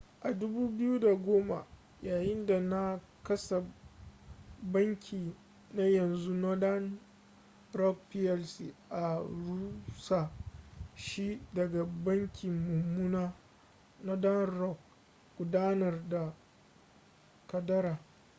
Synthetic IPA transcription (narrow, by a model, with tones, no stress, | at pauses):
ʔa˨dʊ˦buː˦bɪ˦ju˦da˨ɡʷoː˦ma̰˨ | jaː˨jɪ˦nda˨na˦ | kɐ˦sa˨ | bɐ˦ŋkʲʰiː˨ | na˦jɐ˨nzu˦na˦da˦n | ɾɔ˦k̚pi˦ɛ˦lsi˨ʔa˨ɽuː˦sa˨ | ʃi˦dɐ˨ɡa˨bɐ˦ŋkʲʰɪ˨mːʊ˨mːu˦naː˦ | nɔ˦da˦nrɔ˦k̚ | ɡ̥ʷʊ˨daː˦nɐ˨rda˨ | kɐ˨dɐ˦ɾaː˨